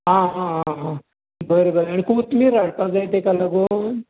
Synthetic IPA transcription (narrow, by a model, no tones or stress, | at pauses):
ɦãɦãɦaɦã | bəɾebəɾeaɽ̃ikuːt̪miɾaɽpad͡zajt̪ekalaɡon